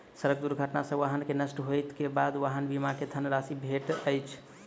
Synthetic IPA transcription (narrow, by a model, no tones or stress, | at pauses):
səɾək̚d̪uɾɡʱəʈnasə̃ʋaɦənkenəsʈɦojt̪kebad̪ʋaɦənbimaked̪ʱənɾasibʱeʈəjt͡ʃʰ